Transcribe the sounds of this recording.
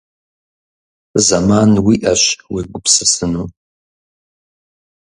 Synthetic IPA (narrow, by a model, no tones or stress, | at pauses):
zɐmaːnwiːʔɐɕweɡʷʊpsɨsɨnu